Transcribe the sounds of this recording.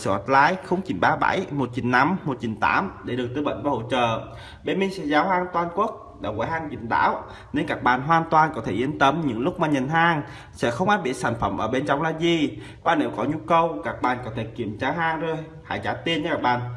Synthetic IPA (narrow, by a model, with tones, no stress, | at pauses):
sɨ̰ː˧˨˩ha˨˩t̚laː˨˦jxə˨˧˦wŋ͡mt͡ɕḭ˧˩nɓaː˨˦ɓa̰˧˩jmo˨˩t̚t͡ɕi˧˨˩ŋ̟na˨˦mːo˨˩t̚t͡ɕi˨˩ŋ̟t̪a̰ː˧˥mɗe˧˩ɗək̚t̪ɨ˧ɓə̰˧˨jŋ̟vaː˧˩ho̰˧˨t͡ɕə̰ː˧˨ | ɓe˧nmi˧ŋsɛ̰˧˥zaː˨˦wɦaː˧ŋt̪waː˧nku˦˥ət̚ɗa̰ː˧˩kwaː˨˧˦haː˧ŋt͡ɕḭ˧˩nɗa̰ː˧˥w | ne˧nkaː˨˩k̚ɓa̰ː˨˩nɦwaː˧nt̪waː˨˩nkɔ˨˦t̪ʰe˧˩ʔi˧˩ənt̪ə˨˦mɲɨ̰˧˥ŋlʊ˦˥k͡p̚maː˨˩ɲə˨˩nɦaː˧ŋ | sɛ̰˧˥xə˧wŋ͡mʔaː˦˥t̚ɓḭ˧˩ən̚sʰa˧˩jŋ̟fə˧˩mʔəː˧˩ɓe˧nt͡ɕɔ˧wŋ͡mlaː˨˩zi˨˩ | ɓaː˨˩ne˨˦wkɔ˨˦ɲu˧kə˧wkaː˧˩k̚ɓa̰ː˨˩nkɔ˨˦t̪ʰe˧˩ki˧˩əmt͡ɕaː˧ɦaː˧ŋzo˧˩j | ha̰ː˧˩jt͡ɕaː˧˩t̪i˧ənt͡ɕɛ˧˦kaː˧˩k̚ɓa̰ː˧˨n